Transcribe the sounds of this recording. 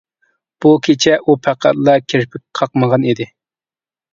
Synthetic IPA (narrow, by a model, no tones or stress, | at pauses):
b̥ukʲʰet͡ʃʰɛʔupʰæqʰæ̰t̪lˠɑkʲʰeɾpʰɪk̚ʲqʰɑqməʁɑnid̪ɪ